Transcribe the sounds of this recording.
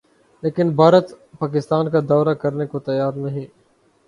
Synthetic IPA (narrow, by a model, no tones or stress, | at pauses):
leːkɪnbʱaːɾət̪paːk̬ɪst̪aːnkad̪ɔːɾakəɾnekot̪ɐjaːɾnɐɦĩː